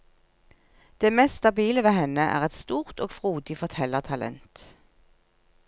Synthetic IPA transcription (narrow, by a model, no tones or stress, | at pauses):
d̪̥eːmɛsst̪ɑbiːləʋeːhɛnəʔæ̰ːʁɛt̪st̪uːʁt̪oːɡfʁuːd̪ɪfɔʁt̪ʰɛləʁt̪ʰɑlʔɛ̰nt̪